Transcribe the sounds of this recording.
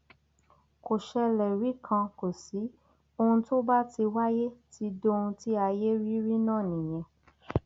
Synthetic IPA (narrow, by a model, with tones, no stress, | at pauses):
ko˨ʃɛ˧lɛ˨ɾi˨˦kʰã˧ko˨si˨˦ | o˧hũ˧to˦ba˦ti˧wa˦je˦ti˧˦do˦˧ũ˧ti˦a˧je˦ɾi˦ɾi˦nãː˦˨nĩ˨j̃ɛ̃˧